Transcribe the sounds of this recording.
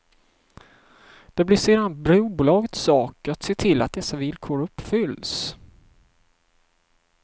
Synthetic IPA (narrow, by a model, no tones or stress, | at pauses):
d̪̥ɛblɪʂeːd̪anbɾʉːbuːlɑːɡət̪sɑːkəat̪seːt̪ʰɪlːat̪̚d̪ɛsːavɪlkʰoːɾɵpːfʏls